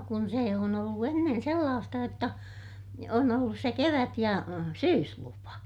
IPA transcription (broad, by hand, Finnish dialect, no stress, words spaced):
kun seˑ on olːu enːen̞ selːɑːstɑ jotːɑ on olːus se keʋæt jɑ syːslupɑ